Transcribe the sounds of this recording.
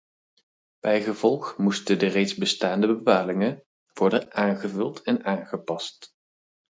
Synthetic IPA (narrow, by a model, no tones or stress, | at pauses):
b̥ɛjχəv̥ɔlˠχmustədərejtzbəstaːndəbəpaːlɪŋə | ʋɔɹdəʔaːnχəvɵlˠtʰɛnaːnχəpɑst